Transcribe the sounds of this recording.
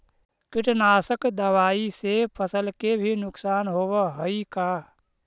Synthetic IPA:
kɪʈnaːsəkd̪əʋaːisepʰəsəlkebʱinʊksaːnɦoːbəɦəika

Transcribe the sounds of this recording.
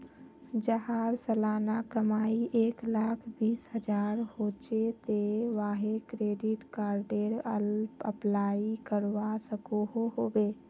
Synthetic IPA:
d͡ʒəɦaːɾsəlaːnakəmaːiʔeːklaːkʰbiːsɦəd͡ʒaːɾhoːt͡ʃet̪eʋaːɦekɾeːɖɪʈkaːɾɖeɾə̰lpə̰plaːikəɾwasəkoɦoɦoːbeː

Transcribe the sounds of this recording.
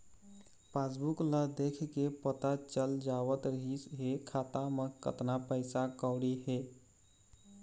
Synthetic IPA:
pasbukləd̪ekʰkepət̪at͡ʃəld͡ʒawət̪ɾəɦisɦekʰat̪amẽkə̰t̪napəɪsakəʊɽiɦe

